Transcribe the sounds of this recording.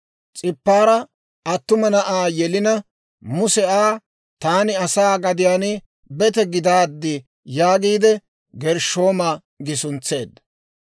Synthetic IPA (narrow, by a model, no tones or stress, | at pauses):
t͡sʼɪpːaːɾɐ | ɐt̪ːʊmɐnɐʔaːjɛlɪnɐ | mʊsɛaː | t̪aːnɪɐsaːɡɐd̪ɪjaːn | bɛt̪ɛɡɪd̪aːd̪ːɪ | jaːɡiːd̪ɛ | ɡɛɾʃo̞ːma | ɡɪsʊnt͡sːeːd̪ɐ